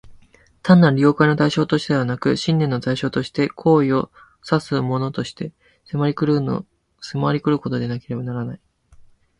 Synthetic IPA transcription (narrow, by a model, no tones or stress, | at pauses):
t̪ãnːaɾɾʲio̞ːkaino̞t̪aiɕo̞ːt̪o̞ɕit̪ed̪e̞βanakɯ̟ɕĩnːẽ̞nːo̞t̪aiɕo̞ːt̪o̞ɕi̥t̪e̞kʰo̞ːio̞ | sasɨmo̞no̞t̪o̞ɕi̥t̪e̞ | semaɾʲikɯɾ̰ | semaaɾʲikɯ̟ɾɯ̟ko̞t̪o̞d̪e̞nake̞ɾe̞banaɾanai